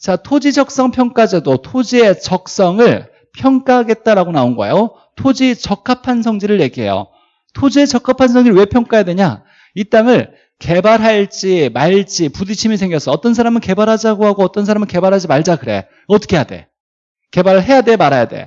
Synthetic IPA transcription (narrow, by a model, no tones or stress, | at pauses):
t͡ɕatʰod͡ʑid͡ʑʌk̚s͈ʌŋpʰjʌŋk͈ad͡ʑedotʰod͡ʑie̞t͡ɕʌk̚s͈ʌŋɯɭ | pʰjʌŋk͈aɦaɡe̞t̚t͈aɾaɡonaonɡʌḛjo | tʰod͡ʑit͡ɕʌk̚k͈ʰːapʰansʰʌŋd͡ʑiɾɯɭje̞ɡiɦe̞̰jo̰ | tʰod͡ʑie̞t͡ɕʌkʰapʰansʰʌŋd͡ʑiɾɭwe̞pʰjʌŋk͈ajadwe̞ɲa | it͈aŋɯɭ | ke̞baɾɦaɭt͡ɕ͈imaɭt͡ɕ͈ipudit͡ɕʰimisʰe̞ŋɡjʌs͈ʌʌt͈ʌns̬ʰaɾamɯnke̞baɾɦad͡ʑaɡoɦaɡoʌt͈ʌnsʰaɾamɯɭke̞baɾɦad͡ʑimaɭd͡ʑakɯɾe̞̰ | ʌt͈ʰʌ̥kʰejade̞̰ | ke̞baɾɯɭɦe̞jade̞maɾajade̞̰